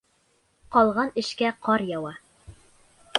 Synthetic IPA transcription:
qɒlˠʁɑnɘ̆ʃkæqɒɾjɑwɑ

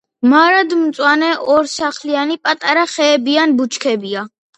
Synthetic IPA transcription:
maɾad̪mt̪sʼwanɛʔɔɾsaχlianipʼat̪ʼaɾaχɛːbianbut͡ʃʰkʰɛbia

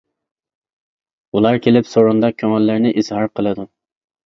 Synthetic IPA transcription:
ulˠɑɾkʲʰelɪpsoɾund̪ɑkʲʰøŋɛlːɪɾnɪʔiz̥hɑɾqʰəlˠɨd̪u

